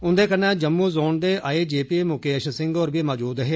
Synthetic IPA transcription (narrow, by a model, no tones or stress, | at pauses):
ʊnd̪eːkənɛ̃ːd͡ʒəmːuːzoːnd̪eːʔaːeːd͡ʒeːpiːmʊkeːʃsɪ̃ŋɡoːɾbiːmaːd͡ʒuːd̪ɦeː